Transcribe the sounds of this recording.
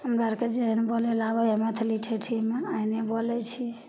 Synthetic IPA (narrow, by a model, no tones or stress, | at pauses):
ɦəmɾaɾked͡ʒeɦnebolɛlabəemet̪ʰliʈʰeʈʰimeainebolɛt͡ʃʰi